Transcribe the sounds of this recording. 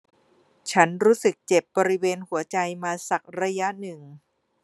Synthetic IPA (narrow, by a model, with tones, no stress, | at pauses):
t͡ɕʰa˦˥nɾuː˦˥sɯ˨˩k̚t͡ɕe˨˩p̚bɔː˧ɾi˦˥weː˧nhu˨˩˦ɐt͡ɕa˧jmaː˧sa˨˩k̚ɾa˧ja˦˥nɯ˨˩ŋ